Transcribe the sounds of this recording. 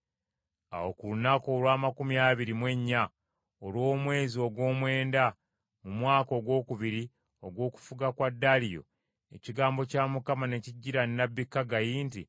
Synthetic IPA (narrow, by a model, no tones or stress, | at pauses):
a̰wo̞kulunakoːlwaːmakumiaːβiɾimwe̞ɲːa | olwo̞ːmwe̞ːzio̞ɡwo̞ːmwe̞ːnda | mumwaːko̞ːɡwo̞ːkuβiɾi | o̞ɡwo̞ːku̥fuɡakwadːalijo̞̰ | e̞̰ciɡaːmbo̞caːmukamane̞ciɟːiɾanːabːikːaɡajiːnti